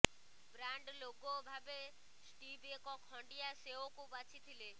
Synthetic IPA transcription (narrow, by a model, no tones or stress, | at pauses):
bɾaɳɖloɡɔbʱabe | sʈibekɔkʰɔ̃ɳɖijaseokubat͡ʃʰit̪ʰile